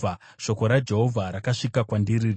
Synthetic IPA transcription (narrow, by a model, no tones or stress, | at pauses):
a | ʃo̞ko̞ɾad͡ʒe̞ɦo̞vʱaɾakaʂikakwandiriri